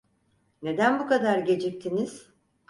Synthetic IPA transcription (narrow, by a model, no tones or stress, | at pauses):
ne̞d̪ænbukad̪aɾɟe̞d͡ʒic̚t̪ʰiniz̥